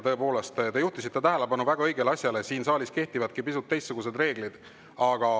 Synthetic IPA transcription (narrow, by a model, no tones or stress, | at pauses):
t̪ɤ̞epo̞ːle̞st̪t̪e̞juht̪usit̪ːe̞t̪æɦelebɑnuvæɡ̥ɑɤjɡ̥elɑsʲjɑle̞siːnsɑːlʲiske̞ht̪ivɑd̪̚kipisut̪ːe̞jst̪ːsuɡ̥us̬e̞d̪re̞ːɡ̥lid̪̥ | ɑɡ̥ɑ